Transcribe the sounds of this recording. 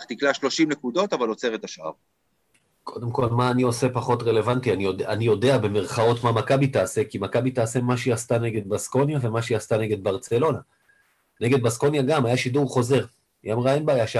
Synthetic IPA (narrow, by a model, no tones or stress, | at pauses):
t̪iklaʃlo̞ʃimnekud̪o̞t̪avalo̞t͡seʁet̪aʃʔa̰ʁ | kʰo̞d̪emko̞lmaːnio̞se̞paχo̞tʁe̞le̞vantianioanijo̞de̞abe̞me̞ʁχao̞tmamakabit̪aːse̞kimakabit̪aːse̞maʃejast̪ane̞ɡe̞d̪̚basko̞njave̞maʃejast̪ane̞ɡe̞d̪̚baʁt͡se̞lo̞na | ne̞ɡe̞d̪̚basko̞njaɡamajaʃiduʁχo̞ze̞ʁ | jamʁaenbaːjaʃ